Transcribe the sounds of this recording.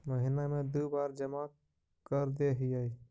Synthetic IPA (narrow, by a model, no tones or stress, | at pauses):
məɦinamed̪ubaɾd͡ʒəma | kəɾd̪eɦiəi